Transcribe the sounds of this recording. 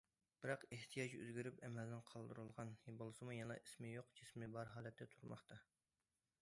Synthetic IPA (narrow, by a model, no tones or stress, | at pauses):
b̥ɪɾɑqeht̪ʰijɑːt͡ʃø̰zɡʲiɾypɛmɛlnɪnqʰɑlˠd̪ɨɾulˠʁɑnjebolˠɨsɨmujɑnɑ̰ʔismɪjoqd͡ʒismɪbɑɾɦɑːlɛt̪ʰːɛt̪ʰuɾmɑ̰χt̪ʰɑ